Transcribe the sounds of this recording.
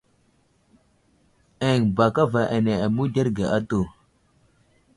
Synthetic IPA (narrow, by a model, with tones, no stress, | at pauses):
e˨ŋba˨ka˦va˨ʔa˨ne˨a˨mu˦de˦ɾɡe˨ʔa˦to˨